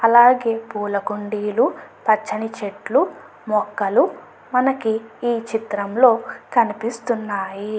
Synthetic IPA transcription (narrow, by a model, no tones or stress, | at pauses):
ɐlaːɡeːpuːlɐkuɳɖiːlupɐt͡ʃːɐnit͡ʃeʈlu | mɔkːɐlu | mɐnɐkiiːt͡ʃit̪ɾɐmlo̞ːkɐnipist̪unːaːji